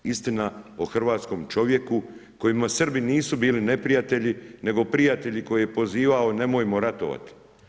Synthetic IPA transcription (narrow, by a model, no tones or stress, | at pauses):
ist̪inaoxr̩ʋaːt̪sko̞mt͡ʃo̞ʋje̞kuko̞jimasr̩biniːsubiːline̞pɾijat̪e̞ʎine̞ɡo̞pɾijat̪e̞ʎiko̞jije̞po̞ziːʋao̞ne̞mojmo̞ɾat̪oʋa̰t̪i̥